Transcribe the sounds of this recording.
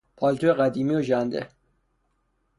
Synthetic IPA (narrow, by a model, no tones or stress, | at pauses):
pʰɒlt̪oeɣæd̪iːmioʒænd̪ḛ